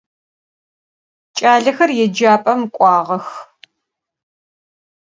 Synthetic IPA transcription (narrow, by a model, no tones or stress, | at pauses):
t͡ʃʼaːɮɐxɐrjɛd͡ʒaːpʼɐmkʷʼɑːʁɐx